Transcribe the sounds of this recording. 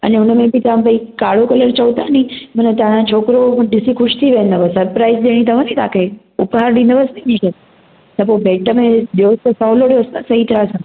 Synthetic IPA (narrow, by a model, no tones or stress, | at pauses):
ə̰neʊnəmẽbʱit̪aãbəikaːɭokələɾt͡ɕəut̪anĩmənət̪ãnãt͡ʃʰoːkɾoɖɪsikʰʊʃt̪ʰiʋẽːnd̪əʋəsɐɾpɾaːizɗ̪eɽ̃it̪ɐʋãnĩt̪akʰe | ʊpɦaɾɗĩnd̪əʋəsninĩʃət̪ | t̪əpobeːʈəmẽɗijost̪əsɔːloɽijost̪əsɐɦit̪əɾasə̃n